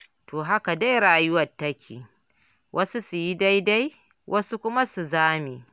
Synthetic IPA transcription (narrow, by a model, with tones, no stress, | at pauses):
toː˨ɦa˦ka˨da˦jɾaː˨jʊ˦wɐ˨tːɐ˦kʲʰḭː˨ | wʔɐ˦su˦su˨ji˦da˦jda˦j | wʔɐ˦su˦kʷʊ˦ma˦su˨zaː˦miː˨